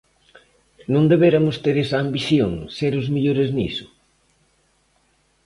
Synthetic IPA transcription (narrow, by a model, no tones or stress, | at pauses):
nõnd̪eβeɾɐmʊst̪eɾesɐːmbiθjoŋseɾʊzmeʎoɾeznḭsʊ̥